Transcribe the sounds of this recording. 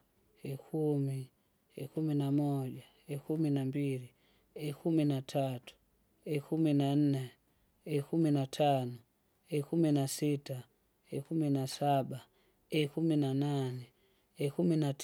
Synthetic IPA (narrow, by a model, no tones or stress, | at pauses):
ɛkʰumi | ɛkuminamɔʄa | ɛkuminambili | ɛkuminatʰatu̥ | ɛkʰuminan̩nɛ | ɛkuminatʰanɔ | ɛkuminasita | ɛkuminasaɓa | ɛkuminananɛ | ɛkuminat